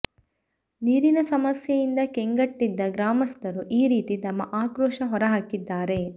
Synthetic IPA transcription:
niːɾinɐsɐmɐsjɐjind̪ɐkeŋɡɐʈːid̪ːɐɡɾaːmɐst̪ʰɐɾuʔiːɾiːt̪it̪ɐmːɐʔaːkɾɔːʂɐɦɔɾɐɦaːkid̪ːaːɾe̞

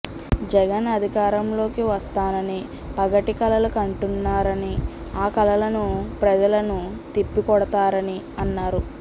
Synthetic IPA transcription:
d͡ʒɛɡɐnɐd̪ʱikaːɾɐmlo̞ːkiʋɐst̪aːnɐni | pɐɡɐʈikɐlɐlukɐɳʈunːaːɾɐni | aːkɐlɐlɐnupɾɐd͡ʒɐlɐnut̪ipːikɔɽɐt̪aːɾɐniɐnːaːɾu

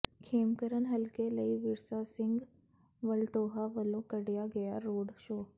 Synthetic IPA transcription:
kʰeːmkəɾənɦɐlkelɐiʋɪɾsasɪ̃ŋɡ | ʋɐlʈoːɦaʋəlõkəɽijaɡɐjaɾoːɖʃoː

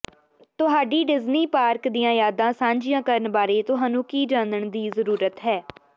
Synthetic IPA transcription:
t̪ʊɦaːɖiːɖɪzniːpaːɾkd̪iːjãːjaːd̪ãːsãːɲd͡ʒɪjãːkəɾənbaːɾeːt̪ʊɦaːnũːkiːd͡ʒãːnd̪əɳd̪iːzəɾuːɾət̪ɦɛː

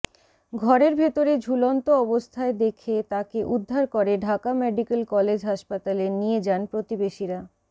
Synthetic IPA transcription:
ɡʱɔɾeɾbʱet̪oɾed͡ʑʱulont̪oɔbost̪ʰaed̪ekʰet̪akeʔud̪ʱːaɾkoɾeɖʱakameɖikelkɔled͡ʑɦaʃpat̪alenijed͡ʑanpɾot̪ibeʃiɾa

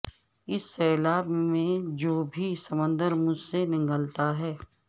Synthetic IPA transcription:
ɪsːɛːlaːbmẽd͡ʒoːbʱisəmə̃nd̪əɾmʊd͡ʒʱsenɪŋɡəlt̪aɦɛː

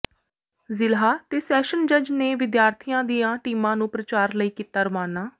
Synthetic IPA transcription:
zɪlɦaːt̪eːsɛːʃənd͡ʒəd͡ʒneːʋɪd̪jaːɾt̪ʰijãːd̪ijãːʈiːmãːnũːpɾət͡ʃaːɾləiːkiːt̪aːɾʋaːnaː

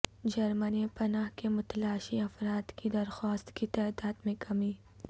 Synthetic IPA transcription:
d͡ʒɐɾmənipɐnaːɦkemʊt̪laːʃiɐfɾaːd̪kid̪ɐɾxaːst̪kit̪aːd̪aːd̪mẽkʰɐmiː

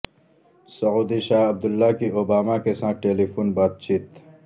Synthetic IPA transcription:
sɐuːd̪iʃaːɐb̚d̪ʊlːakiobaːmakesãːʈeːlipʰuːnbaːt̪̚t͡ʃʰiːt̪

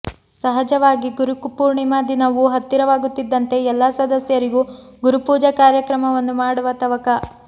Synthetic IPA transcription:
sɐɦɐd͡ʒɐʋaːɡiɡuɾukpuːɾɳimaːd̪inɐʋuɦɐt̪ːiɾɐʋaːɡut̪ːid̪ːɐnt̪e̞ɛlːɐsɐd̪ɐsjɐɾiɡu | ɡuɾupuːd͡ʒɐkaːɾjɐkɾɐmɐʋɐnːumaːɽuʋɐt̪ɐʋɐkɐ

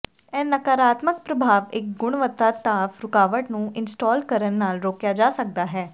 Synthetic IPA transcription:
ɛːnəkaːɾaːt̪mək̚pɾəbʱaːʋɪk̚ɡʊɽ̃ʋət̪ːaːt̪aːfʰɾʊkaːʋəʈnũːʔɪnsʈaːlkəɾənːaːlɾoːkjaːd͡ʒaːsək̚d̪aːɦɛː

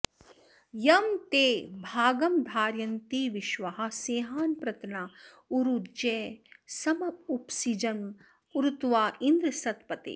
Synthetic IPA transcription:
jɐmt̪eːbʱaːɡɐmd̪ʱaːɾjɐnt̪iʋiʃʋɐɦɐ̆seːɦaːnpɾɐt̪na | uɾud͡ʒɛːsɐmɐupsid͡ʒɐn | uɾut̪ʋaːʔind̪ɾɐsɐt̪pɐt̪ḛː

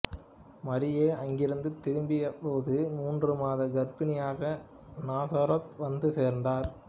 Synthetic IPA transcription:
mɐɾɪjeːɐŋɡɪɾɯnd̪ɯt̪ɪɾɯmbɪjɐpoːðɯmuːndrɯmaːðɐɡɐɾbɪnɪjaːɣɐ | naːsɐɾɐt̪ʋɐnd̪ɯseːɾnd̪aːɾ

